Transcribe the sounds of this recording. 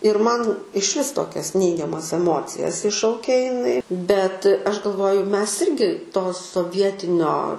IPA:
ɪr ˈmɐn ɪʃʲˈʋʲɪs ˈtoːkʲɛs ˈnʲɛɪɡʲɛmɐs ɛˈmoːt͡sʲɪjɛs ˈɪʃʃɐʊkʲɛ ɪˈnɐɪ bʲɛt ˈɐʃ ɡɐlˠˈʋoːjʊ ˈmʲɛs ˈɪrʲɡʲɪ toː soːˈʋʲiɛtʲɪnʲoː

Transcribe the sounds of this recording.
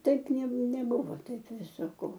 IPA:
ˈtɐɪp nʲeː nʲɛˈbʊʋoː ˈtɐɪp ˈʋʲɪsɐ ˈkoː

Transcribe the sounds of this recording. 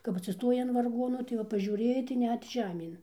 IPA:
kɐp ɐtʲsʲɪˈstoːjɛɪ ɐn ʋɐrˈɡoːnʊ tɐɪ ˈʋɐ pɐʒʲuːˈrʲeːjɛɪ tɐɪ ˈnʲɛt ˈʒʲæːmʲeːn

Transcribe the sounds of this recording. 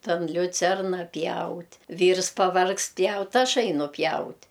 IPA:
tɐn lʲʊˈt͡sʲɛrnɐ ˈpʲjɛʊtʲ ˈʋʲiːrs pɐˈʋɐrkst ˈpʲjɛʊt ˈɐʃ ˈɐɪnʊ ˈpʲjɛʊtʲ

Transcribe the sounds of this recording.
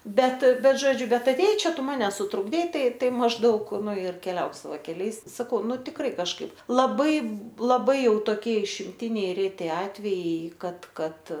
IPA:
ˈbʲɛt ˈbʲɛt ˈʒoːd͡ʒʲʊ ˈbʲɛt ɐtʲeːˈjɛɪ ˈt͡ʃʲɛ ˈtʊ ˈmɑːnʲɛ sʊtrʊɡˈdʲɛɪ ˈtɐɪ ˈtɐɪ mɐʒˈdɐʊk ˈnʊ ɪr kʲɛˈlʲɛʊk sɐˈʋɐɪ kʲɛˈlʲɛɪs sɐˈkɐʊ ˈnʊ tʲɪkˈrɐɪ kɐʃˈkɐɪp lˠɐˈbɐɪ lˠɐˈbɐɪ ˈjɛʊ toːˈkʲiɛ ɪʃʲɪmʲˈtʲɪnʲɛɪ ˈrʲæːtʲɪ ˈɑːtʲʋʲɛjɛɪ ˈkɐt ˈkɐt

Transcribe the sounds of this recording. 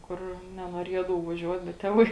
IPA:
ˈkʊr nʲɛnuɔˈrʲiɛdɐʋɐʊ ʋɐˈʒʲuɔt bʲɛt ˈtʲeːˌʋɐɪ

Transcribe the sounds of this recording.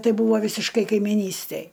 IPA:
ˈtɐɪ ˈbuːʋoː ʋʲiːsʲɪʃˈkɐɪ kɐɪmʲɪˈnʲiːsʲtʲɛj

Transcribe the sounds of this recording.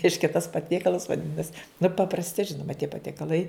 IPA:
ˈrʲɛɪʃʲkʲɛ tɐs pɐˈtʲiɛkɐlˠɐs ʋɐˈdʲɪnɐs nʊ pɐprɐsʲˈtʲɪ ˈʒʲɪnʊmɐ tʲiɛ pɐtʲiɛkɐˈlˠɐɪ

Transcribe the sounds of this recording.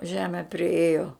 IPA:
ˈʒʲæːmʲɛ pʲrʲɪˈeːjoː

